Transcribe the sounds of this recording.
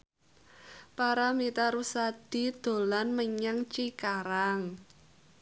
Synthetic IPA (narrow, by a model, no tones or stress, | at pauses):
paɾamit̪aɾusad̪̥i̤d̪̥o̤lanməɲaŋt͡ʃikaɾaŋ